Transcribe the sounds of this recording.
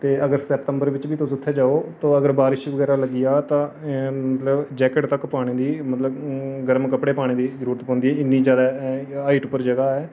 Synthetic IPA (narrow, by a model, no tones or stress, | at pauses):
t̪eːəɡəɾsɛpʈ̪əmbəɾʋɪt͡ʃbiːt̪ʊsʊt̪ʰːeːd͡ʒaːoːt̪õːəɡəɾbaːɾɪʃʋəɡɛːɾaːləɡɪjaːt̪ãːmət̪ləbd͡ʒɛːkəʈt̪əkpaːɽ̃eːd̪iːmət̪ləbɡəɾmkəpɽeːpaːɽ̃eːd̪iːzəɾuːɾət̪pɔ̃ːnd̪iːɦɛːɪnːiːd͡ʒjaːd̪aːaːiːʈpəɾd͡ʒəɡaːɛː